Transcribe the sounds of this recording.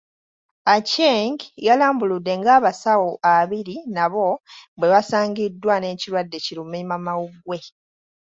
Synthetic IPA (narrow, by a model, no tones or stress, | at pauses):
aceŋɡjalaːmbuludːe̞ŋɡaːβasawoʔaβiɾinaβo̞βwe̞βasaːɲɡidːwane̞ːciɾwadːe̞ciɾumimamawuɡwe̞